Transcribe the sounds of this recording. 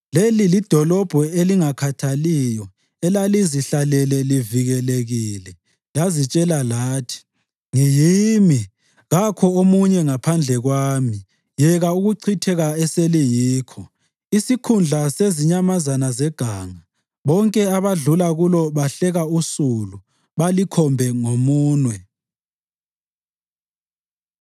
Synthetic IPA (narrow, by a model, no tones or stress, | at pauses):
lelilid̥ʱɔlɔb̥ʱɔeliŋakʰatʰalijɔ | ɛlaliziɬalɛlɛliviɣɛleɣiːlɛ | lazit͡ʃʼɛlalaːtʰi̥ | ŋijimi | ɣakʰɔomuɲɛŋapʰand͡ɮʱɛɣwaːmi | jɛɣauɣuǀʰitʰɛɣaɛselijiːkʰɔ | isikʰund͡ɮʱaseziɲamazanazɛɡ̥ʱaːŋa | βɔŋkʼɛaβaɮulaɣulɔβaɬɛɣausulu | βalikʰɔmbʱɛŋomuːnwɛ